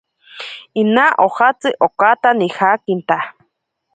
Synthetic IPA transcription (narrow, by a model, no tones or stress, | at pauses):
inaʔohat͡sɨʔokat̪anihakint̪a